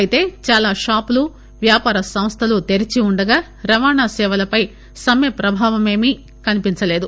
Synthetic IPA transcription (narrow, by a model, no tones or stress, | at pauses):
ɐjit̪e̞ːt͡ʃaːlaːʃaːplu | ʋjaːpaːɾɐsɐmst̪ʰɐlut̪e̞ɾit͡ʃiuɳɖɐɡaː | ɾɐʋaːɳnaːsɛːʋɐlɐpɐj | sɐmjepɾɐbʱaːʋɐme̞ːmi | kɐnipint͡ʃɐle̞ːd̪u